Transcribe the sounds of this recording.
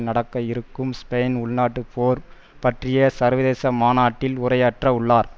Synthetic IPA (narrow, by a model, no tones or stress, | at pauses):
nɐɽɐkːɐɪɾɯkːɯmspeːnʊɭnaːʈːɯpoːɾ | pɐʈrɪjɐsɐɾʋɐðeːsɐmaːnaːʈːɪlʊɾɐjaːʈrɐʊɭːaːɾ